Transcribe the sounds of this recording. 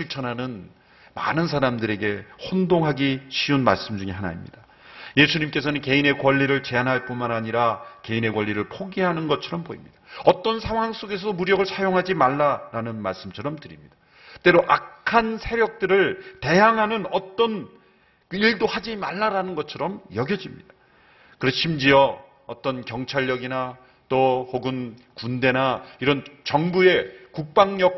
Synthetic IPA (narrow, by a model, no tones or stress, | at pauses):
ɕʰiɭt͡ɕʰʌnɦanɯn | ma̰nɯnsʰaɾamdɯɾe̞ɡe̞hondoŋɦaɡiɕʰiunma̰ɭs͈ɯmd͡ʑuŋiɦana̰imɲid̥a | je̞sʰuɲimk͈e̞sʰʌnɯnke̞ine̞kwʌʎːiɾɯɭt͡ɕe̞anɦaɭp͈unmanaɲiɾake̞ine̞kwʌʎːiɾɯɭpʰoɡiɦanɯnɡʌt͡ɕʰʌɾʌmpoimɲid̥aʌt͈ʌnsʰaŋɦwaŋs͈oɡe̞sʰʌomuɾjʌɡɯɭsʰajoŋɦad͡ʑimaɭːaɾanɯnmaɭs͈ɯmt͡ɕʰʌɾʌmtɯɾimɲid̥a | t͈e̞ɾoʔakʰansʰe̞ɾjʌk̚t͈ɯɾɯɭte̞jaŋɦanɯnʌt͈ʌn | iɭdohad͡ʑimaɭːaɾanɯnɡʌt͡ɕʰʌɾʌmjʌɡjʌd͡ʑimɲid̥a | kɯɾʌɕʰimd͡ʑiʌ | ʌt͈ʌnkjʌŋt͡ɕʰaʎːʌɡina | t͈ohoɡɯn | kundenaiɾʌnt͡ɕʌŋbue̞kuk̚p͈aŋɲʌk